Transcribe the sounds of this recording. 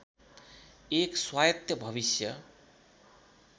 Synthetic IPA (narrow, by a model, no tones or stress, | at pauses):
ekswajt̪jʌbʱʌβisjʌ